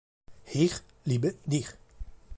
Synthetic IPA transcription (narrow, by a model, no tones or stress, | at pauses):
hiːʁ | libəd̪iχ